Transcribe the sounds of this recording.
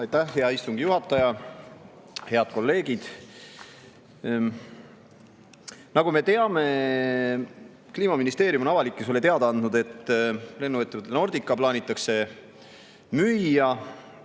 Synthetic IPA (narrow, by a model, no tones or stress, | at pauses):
ɑjt̪æhɦe̞ɑist̪uŋɡ̥ijuɦɑt̪ːˑɑjɑ | he̞ɑd̪̥̚ko̞lːe̞ːɡ̥id̪̥ | nɑɡume̞t̪e̞ɑme̞ | kliːmɑminist̪e̞ːɾjumonɑvɑlikːesolet̪e̞ɑd̪ɑɑnd̪̥nud̪e̞t̪ːˑle̞nːuet̪ːevət̪ːno̞rd̪̥ikːˑɑplɑːnʲit̪ːˑɑkse̞ | myjɑ